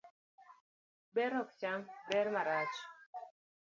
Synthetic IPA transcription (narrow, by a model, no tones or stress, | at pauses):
bɛɾɔkt͡ʃambɛɾmaɾat͡ʃ